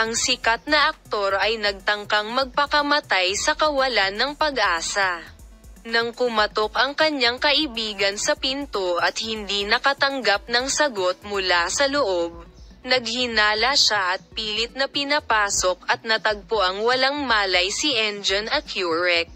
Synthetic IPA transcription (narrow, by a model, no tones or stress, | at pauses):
ʔɐŋsɪkat̪̚nɐʔɐk̚t̪o̞ɾʔɐjnɐɡ̚t̪ɐŋkaŋmɐɡ̚pɐkɐmɐt̪ajsɐkɐwɐlanːɐŋpɐɡʔaːsɐ | nɐŋkʊmɐt̪o̞kɐŋkɐɲːaŋkɐʔɪbiːɡɐnsɐpint̪oɐt̪̚hɪnd̪inɐkɐt̪ɐŋɡap̚nɐŋsɐɡo̞t̪̚mʊlasɐloʔob̚ | nɐɡ̚hɪnaːlɐʃaʔɐt̪̚piːlɪt̪̚nɐpɪnɐpaːso̞kɐt̪̚nɐt̪ɐɡ̚pʊʔaŋwɐlaŋmaːlɐjsɪʔɛnd͡ʒonɐkjuɹɛk̚